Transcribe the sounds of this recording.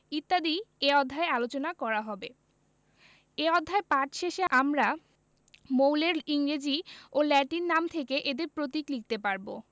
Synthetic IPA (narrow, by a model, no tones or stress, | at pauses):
it̪ːad̪ieɔd̪ʱːaealot͡ɕonakɔɾaɦɔbe | eɔd̪ʱːaepaʈʃeʃeamɾa | mowleɾiŋɾed͡ʑiolɛʈinːamt̪ʰekeʔed̪eɾpɾot̪̬iklik̚t̪epaɾbo